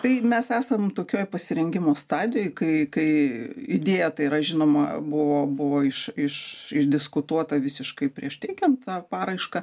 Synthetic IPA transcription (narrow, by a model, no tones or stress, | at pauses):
t̪ɐɪmʲɛsæːsɐmt̪oːkʲoːjpɐsʲɪɾʲɛŋʲɡʲɪmoːst̪ɑːd̪ʲɪjoːjkɐɪkɐɪɪd̪ʲeːjɛt̪ɐɪɪɾɐʒʲɪnoːmɐ̰bʊʋoːbʊʋoːɪʃɪʃɪʒd̪ʲɪskʊt̪uɔt̪ɐʋʲɪsʲɪʃkɐɪpʲɾʲiɛʃt̪ʲɛɪkʲɛnt̪̚t̪ɑːpɑːɾɐɪʃkɐ